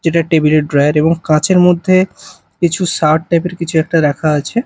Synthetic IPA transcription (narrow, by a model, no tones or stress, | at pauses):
d͡ʑeʈaʈebileʈ̚ɖɾajaɾeboŋkãt͡ɕʰeɾmod̪ʱːe | kit͡ɕʰuʃaʈ̚ʈːajpeɾkit͡ɕʰuɛk̚ʈaɾɛkʰaat͡ɕʰe